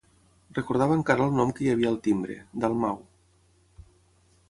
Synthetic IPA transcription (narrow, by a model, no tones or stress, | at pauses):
rəkuɾð̞aβəŋkaɾəːlˠnɔmkəjəβ̞iəːlˠt̪imbɾḛd̪əlˠmaw